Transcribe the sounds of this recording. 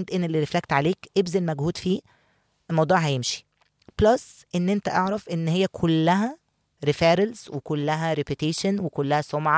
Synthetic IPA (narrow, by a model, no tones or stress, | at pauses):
nd̪ʔenelːiɾeflækt̪ʕaleːkʔebzælmæɡhuːd̪fiː | lmɑwd̪ˤuːʕɦæjemʃi̥ | b̥losʔenːʔent̪æʔɑʕɾˤɑfʔenːhejːækʰolːæɦæ | ɾifæːɾelzwekolːæɦæɾepet̪eːʃænwekolːæhæsˤomʕɑ